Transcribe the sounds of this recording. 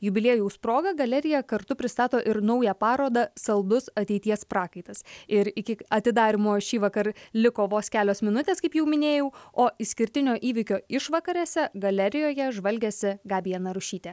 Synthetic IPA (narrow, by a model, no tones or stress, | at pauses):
jʊbʲɪlʲeːjuʊspɾoːɡɐɡɐlʲɛɾʲɪjɛkɐɾt̪ʊpʲɾʲɪst̪ɑːt̪oːʔɪɾnɐʊjɛpɑːɾoːd̪ɐsɐlˠd̪ʊsɐt̪ʲɛɪt̪ʲiɛspɾɑːkɐɪt̪ɐsɪɾɪkʲɪɐt̪ʲɪd̪ɑːɾʲɪmoːʃʲiːʋɐkɐrlʲɪkoːʋoːskʲæːlʲoːsmʲɪnʊt̪ʲeːskɐɪpjɛʊmʲɪnʲeːjɛʊoːɪsʲkʲɪɾʲt̪ʲɪnʲoːʔiːʋʲɪkʲoːɪʃʋɐkɐɾʲɛːsʲɛɡɐlʲɛɾʲɪjoːjɛʒʋɐlʲɡʲeːsʲɪɡɑːʋʲiɛnɐɾʊʃʲiːt̪ʲɛ